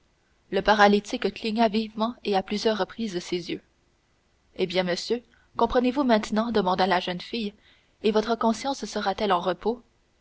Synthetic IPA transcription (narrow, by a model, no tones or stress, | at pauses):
ləpaʁalit̪ikəkliɲavivmɑ̃eaplyzjœːʁːəpχiːzsezjø | ebjɛ̃məsjø | kɔ̃pχənevumɛ̃t̪nɑ̃d̪əmɑ̃d̪alaʒœnfij | evɔt̪χəkɔ̃sjɑ̃ssəʁat̪ɛlɑ̃ʁəpo